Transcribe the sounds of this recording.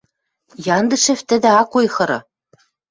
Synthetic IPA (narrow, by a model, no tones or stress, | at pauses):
jɑnd̪ɤ̆ʃɘ̆ft̪ɘ̆d̪ɘ̆ɑkujxɤ̆ɾɤ̆